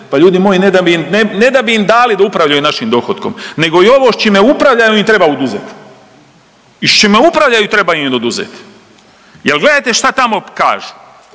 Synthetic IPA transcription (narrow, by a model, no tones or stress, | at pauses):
paʎuːd̪imoːjined̪abiimnene̞d̪abiimd̪aːlid̪aupɾaʋʎajunaʃimd̪o̞xot̪ko̞mne̞ɡo̞io̞ʋo̞ʃt͡ʃimeupɾaʋʎajuimt̪ɾebaod̪uzet̪ | iʃt͡ʃimeupɾaʋʎajut̪ɾe̞bajumd̪od̪uzḛt̪ | jelɡle̞d̪ajt̪e̞ʃt̪at̪amo̞ka̰ːʒu̥